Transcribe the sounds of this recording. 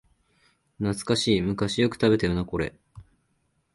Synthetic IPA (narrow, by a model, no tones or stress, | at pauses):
nat͡sɨ̥kaɕiːmɯ̟kaɕijo̞kɯ̟̥t̪abe̞t̪ajonako̞ɾe̞̰